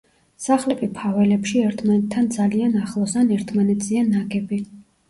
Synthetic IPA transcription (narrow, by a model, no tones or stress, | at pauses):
saχlɛpʰipʰavɛlɛpʃiɛɾt̪ʰmanɛt̪ʰːand̪zalianaχlˠɔsanɛɾt̪ʰmanɛt̪sʼʰianːaɡɛbi